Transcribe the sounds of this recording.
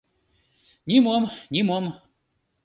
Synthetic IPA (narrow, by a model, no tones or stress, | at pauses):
nʲimomnʲimom